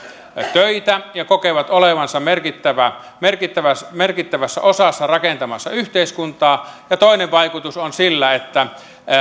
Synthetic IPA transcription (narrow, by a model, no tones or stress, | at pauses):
t̪øit̪æjɑkokeʋɑt̪oleʋɑnsɑmerkit̪ːæʋæ | merkit̪ːæʋæsmerkit̪ːæʋæsːæ̰ʔosɑsːɑrɑkent̪ɑmɑsːɑyht̪eiskunt̪ɑːjɑt̪oˑineʋʋɑikut̪usonsilːæet̪ːæ